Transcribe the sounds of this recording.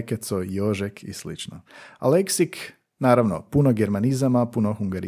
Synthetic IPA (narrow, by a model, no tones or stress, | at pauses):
ket̪sojoʒekʰislḭt͡ʃno̰a̰leksik | naːɾaʋnopunoɡeɾmanizamapunoxuŋɡaɾi